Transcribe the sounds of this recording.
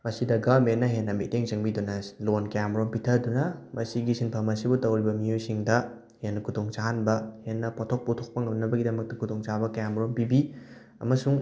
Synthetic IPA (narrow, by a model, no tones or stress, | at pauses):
mɐsidɐɡɐmenːɐɦenːɐmḭteŋt͡ʃɐŋbidunɐlonkɐjamɾompitʰɐdunɐmɐsiɡisinpʰɐmɐsibutɐwɾibɐmijojsiŋdɐ | henːɐkʰutʰoŋt͡ʃaɦanbɐhenːɐpotʰok̚potʰok̚pɐŋɐmnɐbɐɡidɐmɐk̚tɐkʰutʰoŋt͡ʃabɐkɐjamɾompibi | ɐ̰mɐsuŋ